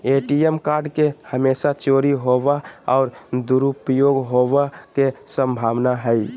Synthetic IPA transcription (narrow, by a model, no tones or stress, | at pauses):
eʈiemkaːɾɖkehəmesat͡ʃoɾiɦoʋaɔːɾd̪uɾupəjoɡɦoʋakesə̃mbʱaːʋnaɦəi